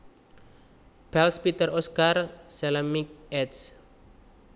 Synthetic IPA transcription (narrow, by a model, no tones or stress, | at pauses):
pɛlspit̪ərɔskarsɛləmik̚ɛts